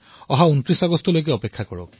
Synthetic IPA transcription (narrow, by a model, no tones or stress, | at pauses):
ɔɦauntɹisaɡɔstɔlojk̬ɛɔpekʰːakɔɹɔ̰k̚